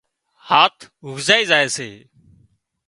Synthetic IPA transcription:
haːt̪ʰ | ɦʊɡʱzaːiːzaːeːseː

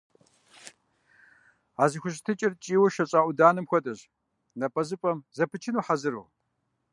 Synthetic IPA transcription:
aːzɨxʷʊɕ̬ʼtʰɨt͡ʃʼɪrt͡ʃʼiːwɐʃɐɕʼaːʔʼʷʊdaːnɨmxʷɔtʼɐʑ | nɐpʼɐzɨpʼɐmzɐpʰɨt͡ʃʰɪnuːħazɨɾṵː

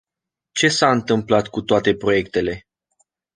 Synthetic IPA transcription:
t͡ʃe̞saɨnt̪ɨmplat̪kut̪oat̪e̞pɾo̞je̞k̚t̪e̞le̞

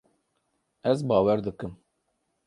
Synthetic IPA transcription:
ɛzbɑːwɛɾd̪ɨkɨm

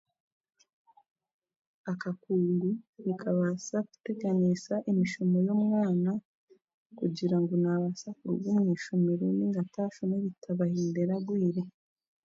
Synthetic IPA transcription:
akakuːŋɡuɾikʰaβasaku̥te̞ɡanisaʔemiʃumojo̞mŋaːna | kuɟiɾaŋɡunaβasakuɾuɡwumŋiːʃumiɾeniŋɡataːfuneβitʰaβahiːnde̞ɾaɡwiːɾe

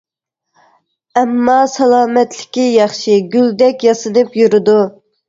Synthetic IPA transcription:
ɛmːɑsɑlˠɑːmɛt̪lɪ̥kʲijɑχʃiɡʲyld̪ɛkʲjɑsɨd̪ɨpjuɾɨd̪u

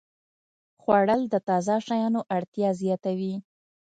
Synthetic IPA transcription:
xwaɽəld̪ət̪ɑzɑʃajɑnoʔaɽt̪jɑzjɑt̪awi

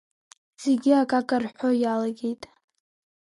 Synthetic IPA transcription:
z̥eɡʲiakʼakʼarħʷojalaɡʲejtʼ

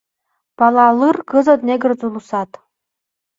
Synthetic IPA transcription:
b̥ɑlˠɑlˠɨrkɨzɐd̪neɡɨ̆rd͡zulˠusɑt̪

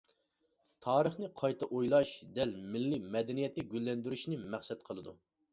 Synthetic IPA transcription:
t̪ʰɑːɾəχnɨqʰɑjt̪ʰɑʔojlˠɑʃd̪ɛlmɪlːimɛd̪ɛnijɛt̪nɪɡʲylːɛnd̪yɾyʃnɪmæχsɛt̪̚qʰəlˠɨd̪u

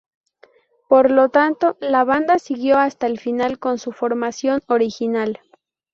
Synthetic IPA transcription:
po̞ɾlo̞t̪ant̪o̞laβand̪asiɣjo̞ast̪aelfinalko̞nsufo̞ɾmasjo̞no̞ɾixinal

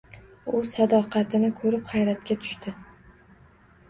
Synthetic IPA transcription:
ʊsad̪ɒqʰɑt̪ʰɪnɪkʰɵɾɪphajɾat̪̚kʲat̪ʰʊ̥ʃt̪ɪ

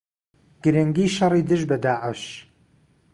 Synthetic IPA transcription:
ɡ̥ɨɾɨŋɡiːʃɑrˤiːd̪ɨʒbɐd̪aːʕəʃ

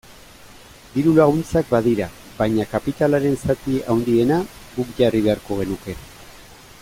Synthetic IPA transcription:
d̪iɾulaɣ̞unt͡sak̚baðiɾa | bajɲakapit̪alaɾe̞nsat̪iawnd̪ie̞naɡukʝariβe̞aɾko̞ɣ̞e̞nuke̞

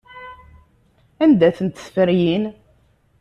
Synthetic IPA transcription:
ænd̪æθənt̪sfəɾjin

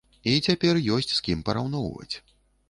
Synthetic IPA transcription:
it͡sʲapʲɛrjɔsʲt͡sʲskʲimpɐɾawnɔwvɐ̰t͡sʲ

